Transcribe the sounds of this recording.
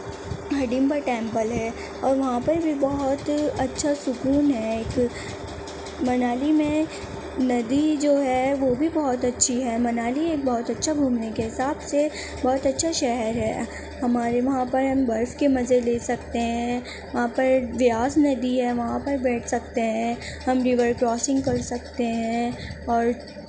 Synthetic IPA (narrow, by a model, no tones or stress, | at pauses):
ɦɐɖimpaɾʈɛ̃ːmpəlɦɛː | ɔːɾʋɐɦãpɐɾbʱibɐɦʊt̪ɐtːʃʰasʊkuːnɦɛeːk | mɐnaːlimẽ | nɐd̪id͡ʒoːɦɛʋobʱibɐɦɔt̪ɐtːʃʰiɦɛːmɐnaːlieːk̚bɔɦɔt̪ɐtːʃʰabʱuːmnekeɦɪsaːbse | bɔːt̪ɐtːʃʰaʃɛɦəɾɦɛ̰ː | hɐmaːɾeʋɐɦãpɐɾɦɐ̃mbɐɾfkemɐzeleːsɐkt̪eɦɛ̃ | ʋɐɦãpɐɾʋɪaːsnɐd̪iɦɛʋɐɦãpɐɾbɛːʈʰsɐk̚t̪eɦɛ̃ːhɐmɾɪʋəɾkɾɔːsɪ̃ŋɡ̚kɐɾsɐkt̪eɦɛɛ̃ɔːɾ